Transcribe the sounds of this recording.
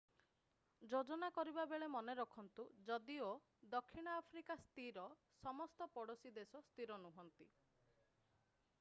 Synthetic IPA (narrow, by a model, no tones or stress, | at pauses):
d͡ʒod͡ʒɔnakɔɾibabeɭemɔneɾɔkʰɔnt̪ud͡ʒɔd̪io | d̪ɔkʰːiɽ̃ɔapʰɾikast̪iɾɔ | sɔmɔst̪ɔpɔɽosid̪esɔst̪iɾɔnuɦɔnt̪i